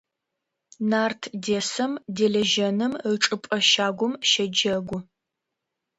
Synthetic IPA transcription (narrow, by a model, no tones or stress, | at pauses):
naːrtʰdeːsɐmdeːɮɐʒɐnɨmɨʈ͡ʂʼɨpʼɐʃaːɡʷʊmʃɐd͡ʒɐɡʷʊ